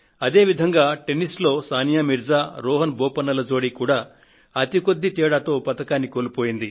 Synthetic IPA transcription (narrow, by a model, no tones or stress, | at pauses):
ɐd̪e̞ːʋid̪ʱɐŋɡaːʈe̞nislo̞ːsaːnjaːmiɾd͡ʒaːɾɔːɦɐnbʱoːpɐnːɐlɐd͡ʒo̞ːɽikuːɽaː | ɐt̪ikod̪ːit̪ɛːɽaːt̪o̞ːpɐt̪ɐkaːnːikoːlipoːjind̪i